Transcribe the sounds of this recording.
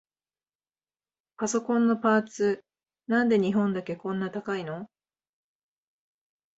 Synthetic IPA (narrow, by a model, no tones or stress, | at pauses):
paso̞kõ̞nːo̞paːt͡sɨ | nãnd̪e̞ɲ̟iɦõ̞nd̪ake̞kõ̞nːat̪akaino̞